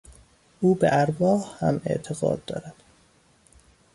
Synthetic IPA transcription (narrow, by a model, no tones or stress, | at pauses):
ʔuːbḛʔæɾbɒːhhæ̰mḛʔt̪ʰeɣɒ̰ːd̪̚ːɒ̰ːɾæd̪̥